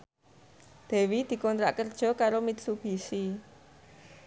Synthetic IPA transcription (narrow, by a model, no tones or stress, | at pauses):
d̪̥ɛ̤wid̪̥i̤kɔnt̪ɾa̰ʔkərd̥ʒ̥ɔ̤kaɾomit̪sub̥i̤si